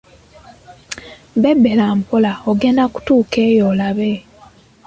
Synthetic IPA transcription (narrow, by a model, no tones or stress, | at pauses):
bebelampolaoɡe̞ːndaku̥tuːkeːjoːlaβe